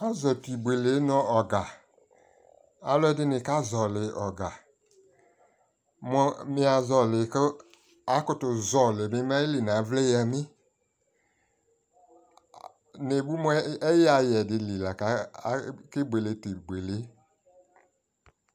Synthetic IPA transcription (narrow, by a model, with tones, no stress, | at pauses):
a˦zɔ˨ti˨be˨le˨˦nɔ˦ɔ˨ɡa˨ | a˨lɔ˦ɛ˦dɪ˦nɪ˨ka˦zɔ˨lɪ˨ʔɔ˨ɡa˨ | mɔ˦mɪ˦a˨zɔ˨lɪ˨k | a˨˦kʊ˦tʊ˨zɔ˨le˨mɪ˦m˦a˦i˦li˨na˨˦vle˦ja˨mɪ˦ | ne˨bu˦mɔ˦ɛ˦ja˨jɛ˨dɪ˨li˨la˨ka˨˦ | kɪ˦bʷe˨le˨ti˨ɡ͡be˨le˨˦